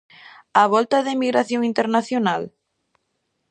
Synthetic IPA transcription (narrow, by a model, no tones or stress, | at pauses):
aβɔlt̪aðemiɣɾaθjõŋint̪eɾnaθjonal